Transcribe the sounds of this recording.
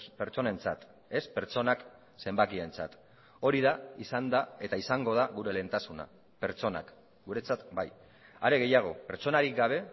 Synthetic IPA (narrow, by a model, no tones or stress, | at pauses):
spe̞ɾt͡so̞ne̞nt͡sat̪ | e̞spe̞ɾt͡so̞nak | se̞mbakie̞nt͡sat̪ | o̞ɾiðaisand̪ae̞t̪aisaŋɡo̞ð̞aɣuɾe̞le̞nt̪asuna̰ | pe̞ɾt͡so̞na̰k | ɡuɾe̞t͡sat̪baj | a̰ɾe̞ɣ̞e̞jaɣ̞o̞pe̞ɾt͡so̞naɾik̚ɡaβ̞e̞